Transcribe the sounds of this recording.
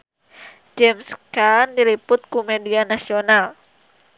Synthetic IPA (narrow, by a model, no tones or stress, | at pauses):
d͡ʒɛmskandilipʊt̪̚kumedianasional